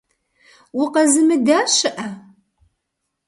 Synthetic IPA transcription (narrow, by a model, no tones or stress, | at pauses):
wʊqɐzɨmɨdaːɕɨʔɐ